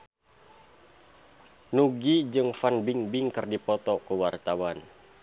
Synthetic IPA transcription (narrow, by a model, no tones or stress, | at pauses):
nuɡid͡ʒɨŋfanbiŋbiŋkɨrdipɔt̪ɔkəwart̪awan